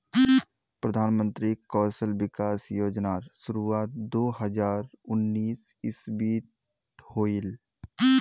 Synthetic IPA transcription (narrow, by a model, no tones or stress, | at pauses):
pɾəd̪ʱaːnmə̃nt̪ɾikɔːsəlbɪkaːsjoːd͡ʒnaːɾsʊɾuaːt̪̚d̪oːhəd͡ʒaːɾʊnːiːsɪsbiːt̪ | hoːil